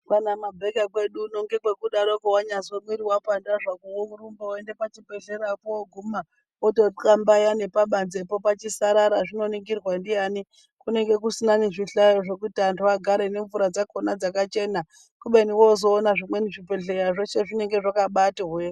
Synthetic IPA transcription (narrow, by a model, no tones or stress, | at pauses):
kanamabʱekakwe̞ɗuno̞ŋɡe̞kwe̞kuɗaɾo̞kowaɲasomwiɾiwapandaʐakowouɾumbaoende̞pat͡ʃibe̞ɮe̞ɾapooɡʱuma | otokambajane̞paɓanzepo̞pat͡ʃisaɾaɾaʐino̞niŋɡirwandijani | kune̞ŋɡe̞k̬usinaneʐiɬajoʐe̞kutiantʰuwaɡʱaɾene̞ɱvuɾad͡zakonad͡zakat͡ʃe̞na | kuɓeniwozo̞ːnaʐimwe̞niʐipe̞ɮe̞ɾaʐo̞ʃe̞ʐine̞ŋɡe̞ʐakaɓatiɦe